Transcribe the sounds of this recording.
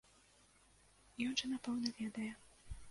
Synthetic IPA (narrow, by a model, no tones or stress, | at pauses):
jɔnʐɨnapɛwnɐvʲɛd̪ɐjɛ